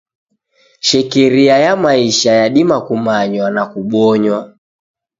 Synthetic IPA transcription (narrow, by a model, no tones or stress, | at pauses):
ʃɛkɛɾiajamaiʃajaɗimakumaɲwanakuɓɔɲwa